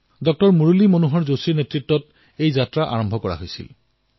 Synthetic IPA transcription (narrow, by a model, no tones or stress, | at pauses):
dɔk̚tɔɹmuɹulimonuɦɔɹzosiɹnetɹitːɔt | ejzatɹaʔa̰ɹɔmbʱɔkɔɹa̰ɦojsḭl